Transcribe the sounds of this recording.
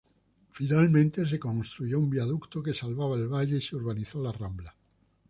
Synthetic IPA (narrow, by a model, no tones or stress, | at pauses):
finalmẽnt̪e̞s̬e̞kõnst̪ɾuʝo̞umbjaðukt̪oke̞salβaβ̞aelβaʎe̞iseuɾβ̞aniθolarambla